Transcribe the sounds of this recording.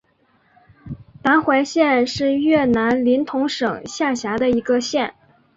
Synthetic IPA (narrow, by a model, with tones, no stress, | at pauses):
t̪a˧˥nxwa˧˥ɪɕjɛ˥˧nʂɻ̩˥˧ɥɛ˥˩na˧˥nli˧˥nt̪ʰʊ˧˥ŋʂɤ˨˩ŋɕja˥˩ɕja˧˥d̪ə˧i˧˥ɡə˧ɕjɛ˥˩n